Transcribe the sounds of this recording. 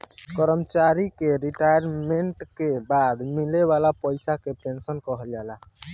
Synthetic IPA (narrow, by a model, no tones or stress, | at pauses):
kəɾəmt͡ʃaɾikeɾiʈajəɾmeɳʈkebad̪mileβalapəjsakepensənkəɦəld͡ʒala